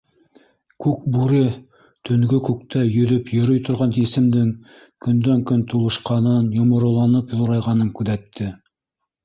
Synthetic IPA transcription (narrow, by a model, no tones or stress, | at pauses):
kʉk̚bʉɾɘ | t̪ʰɵ̆ŋɡɵkʉk̚t̪æjɵ̆ðɵpjɵ̆ɾɵjt̪ŏɾʁɑnt̪isɘ̆md̪ɘŋ | kɵ̆nd̪æŋkɵnt̪ulˠɤ̆ʃqɑnɤnjŏmŏɾɤ̆lˠɑnɤpjŏɾɑjʁɑnɤŋkʉðæt̪ʰːɘ